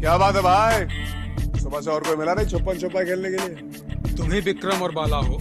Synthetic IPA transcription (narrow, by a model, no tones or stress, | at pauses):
kjaːbaːt̪ɦɛbʱaːi | sʊbas̬eɔːɾkoimɪlanɐɦĩt͡ʃʰopːənt͡ʃʰopːakʰeːlnekelie | t̪ʊmɦẽbɪkɾəmɔːɾbaːlaɦoː